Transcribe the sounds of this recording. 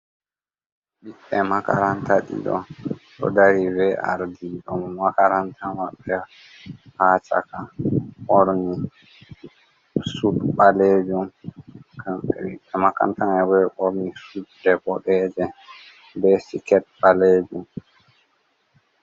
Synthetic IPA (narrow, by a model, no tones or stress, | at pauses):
ɓiɓːɛmaka̰ɾantaɗḭɗɔ̰nɗɔ̰daɾivɛʔa̰ɾdiɗɔmːakaɾantʰamaɓːɛ | haːt͡ʃa̰kaʔɔɾni | sutɓaled͡ʒumkamɓɛ̰ɓiɓːɛmaka̰ntaŋɛwɛʔɔɾnisuddɛɓɔɗɛːd͡ʒɛ | bɛsikɛt̚ɓaled͡ʒum